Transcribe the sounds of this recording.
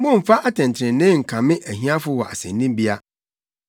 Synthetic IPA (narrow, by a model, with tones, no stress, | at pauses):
mʊ̃˦m̩˨fa˦ʔa˦tʰɛ̃˨ntʰɪ̃˨n˦nɪ̃˦ŋ̩˨kʰã˨mɪ̃˦ʔæ˨ɦĩ˦a˦fʊ˦wɔ˨ʔa̰˨sɛ̰̃˨nː˦ĩ˦mbi˦a˦